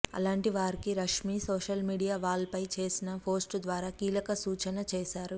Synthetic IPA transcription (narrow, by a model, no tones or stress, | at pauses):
ɐ̰laːɳʈiʋaːɾikiɾɐkʂmiːsoːʃɐlmiːɽijaːʋaːɭɐpɐjt͡ʃe̞ːsinɐpʰo̞ːsʈd̪ʋaːɾaːkiːlɐkɐsuːt͡ʃɐnɐt͡ʃeːʃaːɾu